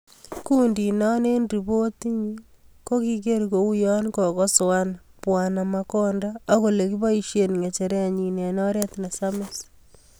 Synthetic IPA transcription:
ku˦ndi˨nɔ˦ne˦ndi˨bo˦t̪i˦ɲi | ko˦ki˦ke˦ɾko˨u˦jɔ˦nkɔ˨kɔ˦swa˦npwa˨na˨ma˨kɔ˦ndaː˦ko˨le˨ki˦ba˦i˦ʃje˨nŋe˨t͡ʃe˨ɾe˦a˨ɲi˨ne˨nɔ˦ɾe˦t̪na˨sa˦mɪ˦s

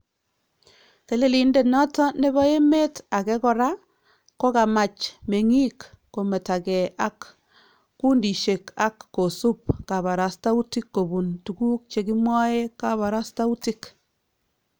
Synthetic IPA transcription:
ke˨le˦li˨nde˨nɔ˦tɔ˦ne˦βɔ˦e˦me˦ta˨kɛ˦kɔ˨ɾa˦ | ko˦ka˨ma˨t͡ʃme˨ŋi˦kː | o˨me˨ta˨kɛ˨ʔa˨˦kː | u˦ndi˨ʃe˨ka˦kːo˨su˦p̚ka˨βa˨ɾa˨sta˦u˦ti˦kːo˨bu˨ntu˨ku˦k̚t͡ʃe˨ki˦mwɔ˦e˦ka˦βa˨ɾa˦sta˦u˦ti˦k

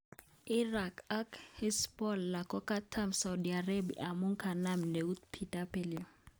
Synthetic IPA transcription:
i˦ra˨kakʰhɪ˦spʼɔ˦lːa˨kʼɔ˦kʼa˦tʰa˦msa˨udia˨re˦bḭʔa˨mʊ˦ŋ̩˦kʰa˨na˦m̩ne˨u˦t̪pʰi˨tʼa˦pʼelɪ

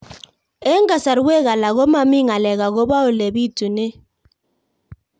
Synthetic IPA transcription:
e˦ŋɡa˨sa˨ɾwe˦ɣa˨la˨ɣo˦ma˨mi˦ŋa˨lɛ˨ɣa˨ɣo˦βa˦o˨lɛ˨bi˦tu˨nɪ˦

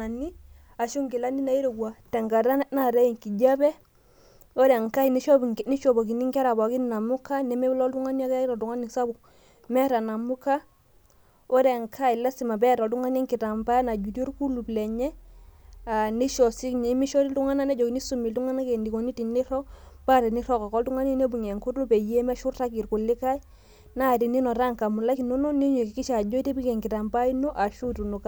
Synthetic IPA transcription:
a˨ni˦ | a˨ʃu˦ŋɡi˨la˦ni˦na˨i˦ɾo˨ɡwa˨tɛ˨ŋɡa˨ɾa˦na˦˨ɾɛ˦i˨ŋki˨d͡ʒa˦bɛ˦ | o˦ɾɛ˨ŋka˦i˨ni˦ʃɔ˦˨ni˦ʃɔ˨ba˨k̬i˨ni˦ŋkɛ˦ɾa˨ba˨ki˦n˨na˨mu˦ka˦nɛ˨mɛ˦blɔ˦ltu˦ŋa˦n˦a˦kɾɔ˨tu˨ŋa˦ni˨sa˦bu˨ | mɛ˦ɾa˨na˨mu˦ka˦ | o˦ɾɛ˨ŋkʰa˦i˨la˦si˨ma˨bɛ˦˨ɾɔ˨tu˦ŋa˦nɛ˦ŋki˨ta˨mba˦na˨d͡ʒu˨do˦ɾku˦lu˨blɛ˨ɲɛ˦ | a˨ni˦ʃɔ˨si˦kɲe˨˦mi˦ʃɔ˦ɾi˦ltu˦ŋa˦na˦nɛ˦d͡ʒɔ˨ki˨ni˦su˦mi˨ltu˦ŋa˦na˦ke˨ndi˨ko˨ni˦ti˨ni˦ɾɔ˦kpa˦ɾɛ˨ni˦ɾɔ˦ka˨kɔ˦ltu˦ŋa˦ni˦ne˦bu˨ɲɛ˨ŋko˦to˦pɛ˨je˦mɛ˦ʃu˦rta˦ki˨ɾku˨lːɪ˦ka˦i˦ | na˦˨ti˨ni˦nɔ˨ɾa˦ŋka˨mu˨la˦ki˨no˦no˦ni˦ɲe˨ki˨ki˦ʃa˨d͡ʒo˦i˦te˦bi˦ke˨ŋkɪ˨ta˨mba˦i˦no˦ʔa˨ʃu˦tu˨no˨ka˦

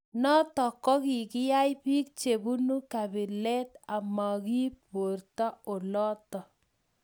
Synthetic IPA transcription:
nɔ˦tɔ˨kɔ˦ki˨kɪ˦ja˦jpi˦k̚t͡ʃe˨bu˦nu˦ka˨bɪ˨lɛ˦t̪a˨ma˨ki˦po˨rta˦o˨lɔ˦tɔ˨

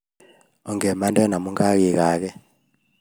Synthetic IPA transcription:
ɔ˨ŋɡɛ˨ma˦ndɛ˦na˨mu˦ŋɡa˦ɣi˨ɣa˨˦kɛ˦

